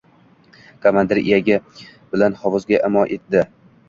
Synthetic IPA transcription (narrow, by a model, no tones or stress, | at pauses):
kʰamand̪ɪɾḭjaɡʲɪb̥ɪlanhɒvɒzɡʲaʔɪmɒnʔet̪̚d̪ɪ